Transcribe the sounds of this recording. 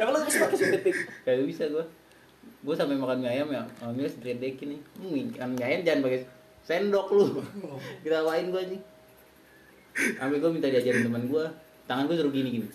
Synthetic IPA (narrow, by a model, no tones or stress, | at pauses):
jakalobisapakasiət̪ɪkkajaɡuabisaɡua | ɡuasampamakanmiajamjamiast̪ɾiadekɪnɲmianmiajand͡ʒaanbaɡe | sɛndɔklu | kit̪awaɪnɡuad͡ʒi | ʔampɛɡuamint̪adiad͡ʒaɾɪnt̪əmanɡua | t̪aŋanɡuas̬uɾʊɡiniɡini